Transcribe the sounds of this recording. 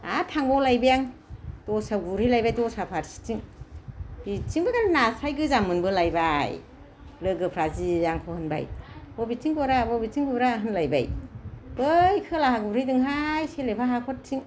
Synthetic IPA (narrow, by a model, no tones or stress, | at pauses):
a̰tʰaŋbɔwlajbijaŋdɔsaɡuɾilajbajdɔsapʰaɾsi̥tiŋ | b̥it͡ʃiŋbɯɡaɾnasajɡɯzamɯnbɯlajbaj | lɯɡɯpʰɾazijaŋkʰɔhɯnba̰jbɔbitiŋɡɔɾabɔbitiŋɡɔɾaɦɯnlajba̰jb̥ɯjkʰɯlaɦaɡuɾidɯŋɦajselepʰaɦakʰɔt̚tiŋ